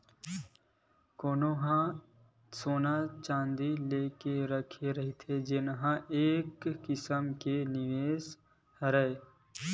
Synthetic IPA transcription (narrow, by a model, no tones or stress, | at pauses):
koːnoːɦã | soːnat͡ʃãːnd̪ileːkeɾəkʰeɾɐɦit̪ʰed͡ʒɪnɦãʔeːkːɪsəmkenɪʋeːs | ɾəeː